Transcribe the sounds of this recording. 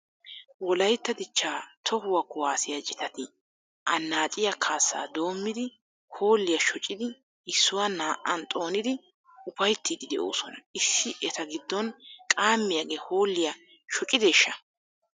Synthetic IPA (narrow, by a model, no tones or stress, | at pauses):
wɔlɐjt̪ːɐd̪ɪt͡ʃːaːt̪ʰɔhʊwɐkːʊwaːsɪjɐt͡ʃʼɪt̪ɐt̪ɪ | ʔɐnːaːt͡ʃʼɪjɐkʰaːsːa̰ːd̪o̞ːmːɪd̪ɪ | hoːlːɪjɐʃɔt͡ʃʼːɪd̪ɪ | ɪsːʊwanaːʔɐnt̪ʼo̞ːnɪd̪ɪ | ʊpɐjt̪ːid̪ɪd̪ɛʔo̰ːsɔnɐʔɪsːɪʔɛt̪ɐɡɪd̪ːɔnkʼaːmːɪjɐɡeːhoːlːɪjɐ | ʃɔt͡ʃʼːɪd̪eːʃːɐ